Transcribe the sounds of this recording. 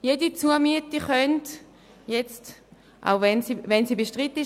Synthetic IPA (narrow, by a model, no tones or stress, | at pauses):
jedit͡suəɐmyətiχœnt | jet͡st | ʔa̰ʊvɛnsivɛnsiːbeʃtʁiti